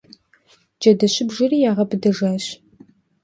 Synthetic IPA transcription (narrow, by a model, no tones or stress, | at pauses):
d͡ʒɐdɐɕɪbʒɪriːjaːʁɐbɨdɐʒaːɕ